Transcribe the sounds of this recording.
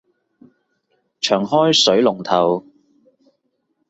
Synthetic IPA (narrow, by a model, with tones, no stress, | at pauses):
t͡ʃʰœː˨˩ŋhɔː˥jsɵ˨˥ɥlʊ˨˩ŋt̪ʰɐ˨˩w